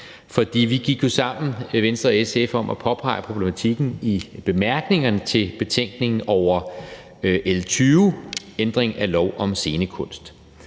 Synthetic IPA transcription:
fɒ̽d̥ḭːʋiɡ̥iɡ̥jo̝sɑ̈m̰n̩ʋen̰sd̥ʁɐesefɒ̽mʔæpʰɒ̽pʰɑ̈ɪ̰pʰʁob̥lemæt͡sʰiɡ̥n̩ib̥e̝mæɐɡ̥ne̝ŋɐnət͡sʰe̝lb̥e̝t͡sʰeŋ̰ɡ̥ne̝ŋn̩ɒʊɐ | ʔelt͡sʰyːend̥ʁeŋælɒʊ̰ʔɒ̽mse̝ːnəkʰɔ̽n̰sd̥

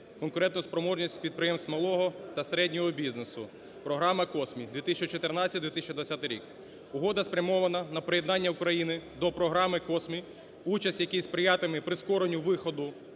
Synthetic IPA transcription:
kɔnkʊɾɛnt̪nʊspɾɔmɔʒnʲisʲtʲpʲid̪̚pɾɪjɛmst̪ʲmɐlˠɔɦɔt̪ɐseɾɛdʲnʲɔɦɔbʲiznesʊ | pɾɔɦɾɑmɐkɔsmʲid̪ʲʋʲit̪isʲt͡ʃɔt͡ʃɔt̪ernɑt͡sʲɐtʲd̪ʋʲit̪ɪsʲt͡ʃʊd̪ʋɐt͡sʲat̪ɪɾʲḭk | ʊɦɔd̪ɐspɾʲɐmɔʋɐnɐnɐpɾɔjed̪nɑnʲːɐʊkɾɐjinɪd̪ɔpɾɔɦɾɑmɪkɔsmʲi | ut͡ʃɐsʲtʲjɐkijspɾɪjat̪ɪmɪpɾɪskɔɾenʲːʊʋɪxɔd̪ʊ

